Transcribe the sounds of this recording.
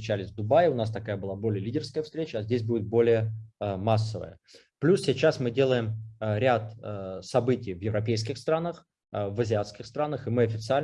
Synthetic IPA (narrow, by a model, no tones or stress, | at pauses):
ɪt͡ɕælʲɪsʲvd̪ʊbajʊnas̬t̪ɐkajəbɨlˠabo̞lʲɪjəlʲidʲɪrskəjəfst̪ɾʲet͡ɕəːzʲdʲesʲbudʲɪt̪̚bo̞lʲɪjəmasːəvə̰jə̰ | plʲussʲɪt͡ɕasmɨdʲe̞lˠəjɪmɾʲat̪sɐbɨtʲɪjvjɪvɾɐpʲejskʲɪxst̪ɾanəx | vəzʲɪat̪skʲɪxst̪ɾanəxɨmɨɐfʲɪt̪sɨalʲ